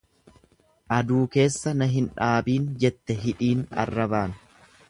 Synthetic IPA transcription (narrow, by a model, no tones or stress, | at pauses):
ʔɐd̪uːke̞ːsːɐnɐɦɪnᶑaːbiːnd͡ʒɛt̪ːɛɦɪᶑiːnɐ̰rːɐbaːn